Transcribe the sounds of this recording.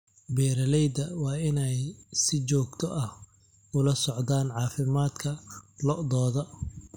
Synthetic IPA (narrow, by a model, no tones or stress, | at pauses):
bɛːɾɐlɛjd̪ɐwɑːɪnɛjsɪt͡ʃɔːɡt̪ʰɔʔɐh | ʊlɐsɔʕd̪aːnʕɑːfɪmaːd̪kʰɐlɔʔd̪ɔːðɔ